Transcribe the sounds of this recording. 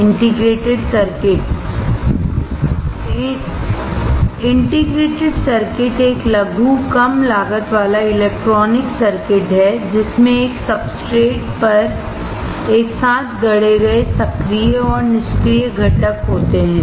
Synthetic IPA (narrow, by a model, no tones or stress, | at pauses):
ɪ̃ɳʈɪɡɾeːʈɪɖsɐɾkɪʈ | ɪ̃ɳʈɪɡɾeːʈɪɖsɐɾkɪʈeːklɐɡʱukɐmlaːɡət̪ʋaːlaɪleːk̚ʈɾɔːnɪksɐɾkɪʈɦɛd͡ʒɪsmẽeːksɐbsʈɾeːʈpɐɾ | eːksaːt̪ʰɡɐɽ̤eɡɐesɐkɾijəɔːɾnɪʃkɾijəɡʱɐʈəkɦoːt̪eɦɛ̃ː